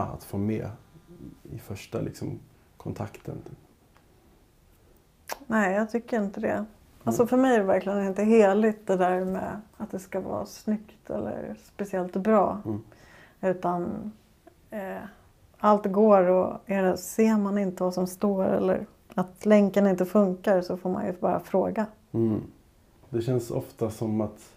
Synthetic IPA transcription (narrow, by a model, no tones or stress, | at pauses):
a̰t̪foːmɛː | ɪfœʂʈalɪ̰ksɔm | kʰɔnt̪ʰakt̪ʰə̰n | nɛɪjɑːɡt̪ʰʏkːəɾɪnt̪əd̪ɛ̰ | alsɔfœɾmɛjæɾɛvæɾklɪɡənɪnt̪əɦeːlɪt̪̚d̪ɛd̪æɾmḛːat̪̚d̪ɛskavɑ̰ːsnʏkt̪ʰɛ̰lːə̰ɾspɛsɪɛlt̪bɾɑː | ʉ̟ːt̪an | alt̪ɡoːɾɔɛɾɛseːɾmanɪnt̪əvasɔmst̪oːɾɛ̰lːə̰ɾ | at̪lɛŋkənɪnt̪əfɵŋkaɾsɔfoːɾma̰njɵ̰bɑːɾa̰fɾoːɡa | d̪ɛɕɛnsɔ̰ft̪asɔmat̪